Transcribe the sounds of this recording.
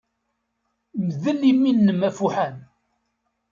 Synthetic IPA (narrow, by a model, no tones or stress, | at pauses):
məðəlːimːinːəmæfuħæn